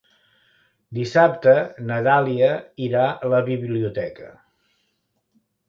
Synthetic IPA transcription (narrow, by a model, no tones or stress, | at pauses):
d̪isap̚t̪ənət̪aliəiɾaələβiβliut̪ɛkə